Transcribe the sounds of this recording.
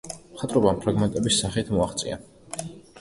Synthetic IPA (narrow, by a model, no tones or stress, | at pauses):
mχat̪ʼɾɔbaːmpʰɾaɡmɛnt̪ʼɛbisːaχit̪ʰmɔaχt̪sʼḭa̰